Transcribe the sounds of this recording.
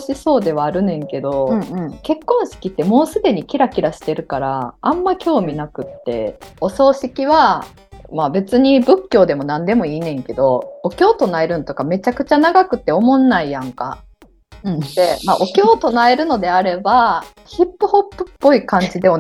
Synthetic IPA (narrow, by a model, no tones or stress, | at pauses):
ɕiso̞ːd̪e̞βaːɾɯ̟nẽ̞ŋke̞d̪o̞ke̞kːõ̞ɰ̃ɕi̥kʲit̪ːe̞mo̞ːsɨd̪e̞ɲ̟ikʲiɾakʲiɾaɕi̥t̪e̞ɾɯ̟kaɾaãmːakʲo̞ːmʲinakɯ̟t̪ːe̞̰o̞so̞ːɕikʲiβa | mabe̞t͡sɨɲ̟ibɯ̟kʲːo̞ːd̪e̞mo̞nãnd̪e̞mo̞iːnẽ̞ŋke̞d̪o̞okʲo̞ːt̪o̞nae̞ɾɯ̟not̪o̞kame̞t͡ɕakɯ̟t͡ɕanaɡakɯ̟t̪ːe̞omõ̞nːaijãŋka̰ | t̪emaʔo̞kʲo̞ːt̪o̞nae̞ɾɯ̟no̞d̪e̞aɾe̞ba | çipːɯ̟ho̞pːɯ̟̥pːo̞ikãɲ̟d͡ʑid̪e